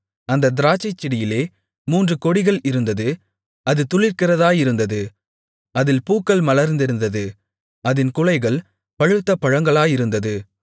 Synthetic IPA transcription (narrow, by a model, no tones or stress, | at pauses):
ɐnd̪ɐd̪ɪɾaːt͡ʃːɐɪt͡ʃːɪɽɪjɪleː | muːndrɯkɔɽɪɣɐɭɪɾɯnd̪ɐðɯ | ɐðɯt̪ʊɭɪɾkɪrɐðaːjɪɾɯnd̪ɐðɯ | ɐðɪlpuːkːɐɭmɐlɐɾnd̪ɪɾɯnd̪ɐðɯ | ɐðɪnkʊlɐɪɣɐɭ | pɐɻɯt̪ːɐpɐɻɐŋɡɐɭaːjɪɾɯnd̪ɐðɯ